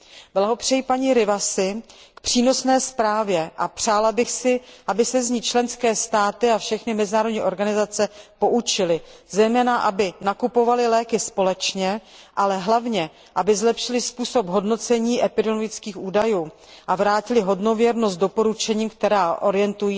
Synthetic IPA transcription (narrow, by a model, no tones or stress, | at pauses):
vlaɦopr̝̥ɛjipaɲiːɾɪvasɪ | kpr̝̥iːno̞snɛːspɾaːvjɛʔapr̝̥aːlabɪxsɪʔabɪsɛzɲiːt͡ʃlɛnskɛːst̪aːt̪ɪafʃɛxnɪmɛzɪnaːɾodɲiːʔo̞ɾɡanɪzat͡sɛpo̞ʔut͡ʃɪlɪzɛjmɛːnaʔabɪnakupo̞valɪlɛːkɪspo̞lɛt͡ʃɲɛʔalɛɦlavɲɛ | ʔabɪzlɛpʃɪlɪspuːso̞pɦo̞dno̞t͡sɛɲiːʔɛpɪdɛloɡɪt͡skiːxʔuːdajuː | ʔavɾaːcɪlɪɦo̞dno̞vjɛɾnost̪do̞po̞ɾut͡ʃɛɲiːmkt̪ɛɾaːʔo̞ɾɪjɛnt̪ujiː